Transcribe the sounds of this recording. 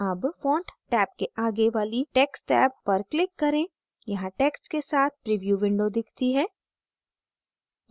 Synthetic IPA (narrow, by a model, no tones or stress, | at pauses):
ɐbfɔ̃ːɳʈʈɛːp̚keʔaːɡeʋaːliʈeːksʈɛːpːɐɾklɪkːɐɾẽː | jɐɦãʈeːksʈkesaːt̪̚ʰpɾiʋjuʋɪ̃ɳɖod̪ɪkʰt̪iɦɛː